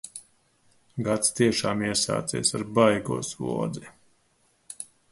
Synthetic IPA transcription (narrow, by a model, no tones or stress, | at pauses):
ɡat̪st̪iɛʃaːmiɛsa̰ːt̪sḭːsaɾbajɡṵɔsvṵɔd̪zi